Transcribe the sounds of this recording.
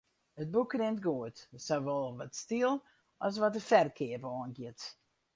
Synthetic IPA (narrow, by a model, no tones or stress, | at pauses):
ət̚bukʰːrɪntɡoətsawʋɔlˠʋɔtstiəlˠ | ʔɔs̬ʋɔtəfɛrkʰɪəpəɔənɡjɪt